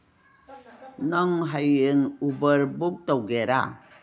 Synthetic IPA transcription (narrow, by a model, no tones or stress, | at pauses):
naŋɦajeŋubəɾbuk̚tawɡeɾa̰